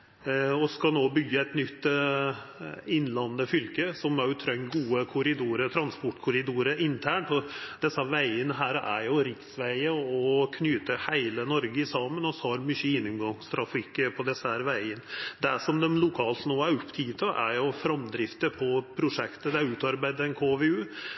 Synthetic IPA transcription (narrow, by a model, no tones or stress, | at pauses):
ɔskɑlnoːbʏɡːəæɪt̪nʏt̪ː | ɪnːlɑnːəfʏlkəsɔmæɾjʊt̪ʰɾœŋɡuːəkʰʊɾɪd̪uːɾəɾt̪ʰɾɑnspɔʈːkʰʊɾɪd̪uːɾəɾɪnt̪ʰæːɳʈɔd̪̥ɛsːəhæɾʋæɪənəɦæːɾæ̰ɾjʊɾɪksʋæɪəɔkʰnyːt̪əhæɪlənɔɾɡəɪsɑmənɔshɑɾmʏçːəɪnːɪmɡɑŋst̪ʰɾɑfikːəpʰɔd̪ɛsːəhæːɾʋæɪənəd̪æʂɔmd̪ɛmlʊkʰɑːlt̪noːæɾʊpːt̪ʰiːt̪ʰɔʔæ̰ɾjʊfɾɑmd̪ɾɪft̪əpʰɔpʰɾʊʂɛkt̪əd̪ɛæɾʉːt̪ɑɾbæɪd̪əɾɛnkʰoːʋeʉː